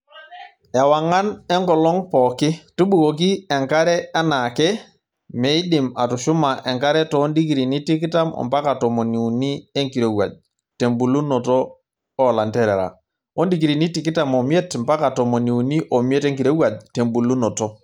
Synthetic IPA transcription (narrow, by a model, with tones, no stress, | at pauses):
ɛ˨wa˨ŋa˦nɛ˦ŋkɔ˨lɔ˦ŋpɔ˨kɪ˦tu˦ɓu˨ko˨k̬i˦ɛ˨ŋka˦ɾɛ˦a˦na˨kɛ˦ | me˨˦ɪ˦ɗɪ˨ma˨tʊ˨ʃʊ˦ma˨ʔɛ˨ŋka˦ɾɛ˦tɔː˨˦ndi˦k̬i˨ɾi˨ni˦ti˦kɪ˦ta˦mɔ̰˨mpa˦ka˨tɔ˨mo˨ni˨u˨ni˦e˦ŋki˨ɾe˨wa̰˨ʄ̚ | te˨mbu˨lu˦nɔ˨toː˦˨ | la˨ntɛ˦ɾɛ˨ɾa̰˨ | o˦ndi˦k̬i˨ɾi˨ni˦tɪ˨kɪ˦ta˨mo˨mje˦tmpa˦ka˨tɔ˨mo˨ni˨u˨ni˦ʔo˨mje˦te˦ŋki˨ɾe˦wa˨d͡ʒte˨mbu˨lu˦nɔ˨to˦